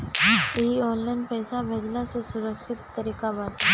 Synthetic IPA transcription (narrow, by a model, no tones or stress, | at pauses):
ɦiɔ̃nlajnpəjsabʱed͡zlasɔsuɾəkʂɪt̪ːəɾiːkabat̪